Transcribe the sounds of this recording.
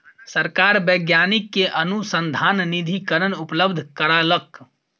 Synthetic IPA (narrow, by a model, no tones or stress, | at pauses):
səɾkaɾbəɡjanikːeʔənusənd̪ʱannid̪ʱikəɾənupləbd̪ʱkəɾalək